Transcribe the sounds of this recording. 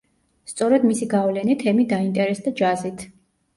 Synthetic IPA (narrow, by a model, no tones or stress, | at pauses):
st̪sʼɔɾɛd̪misiɡavlɛnit̪ʰɛmid̪aint̪ʼɛɾɛsd̪ad͡ʒazit̪ʰ